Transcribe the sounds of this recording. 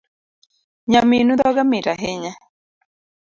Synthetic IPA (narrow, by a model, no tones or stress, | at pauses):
ɲaminud̪ɔɡamɪtaɦɪɲa